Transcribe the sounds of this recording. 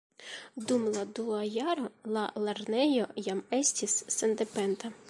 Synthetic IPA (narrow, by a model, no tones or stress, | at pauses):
d̪umlˠɐd̪uɐjɑɾɔlˠɑlˠɐrnɛjɔjamɛsʲtʲisːend̪epɛnt̪ɐ